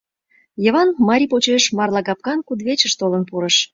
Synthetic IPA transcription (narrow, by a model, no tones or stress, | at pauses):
jə̆βɑnmɑɾʲipot͡ɕeʃmɑrlɑɡɑp̚kɑnkud̪βet͡ɕəʃt̪olənpuɾəʃ